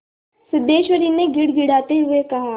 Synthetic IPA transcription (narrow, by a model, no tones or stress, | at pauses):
sʊd̪eːʃʋəɾiːneɡɪɽɡɪɽaːt̪eɦʊekɐɦaː